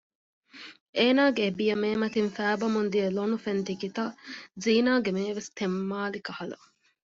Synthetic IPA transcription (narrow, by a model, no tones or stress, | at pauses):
ʔeːnaːɡeːbijɐmeːmɐt̪infæːbɐmund̪iɐlonufent̪ikit̪ɐziːnaːɡemeːʋest̪emːaːlikɐhɐlɐ̰